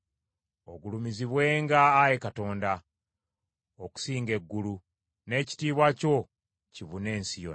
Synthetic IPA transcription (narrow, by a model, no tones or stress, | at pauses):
o̞ɡulumiziβwe̞ːŋɡaːjekato̞ːnda | oku̥siːŋɡe̞ɡːulu | ne̞ːci̥tiːβwaco̞ | ciβune̞ːnsijo